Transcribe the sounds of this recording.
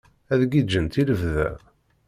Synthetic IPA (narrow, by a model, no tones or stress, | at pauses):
æðɡid͡ʒːənt̪iləvðæ̰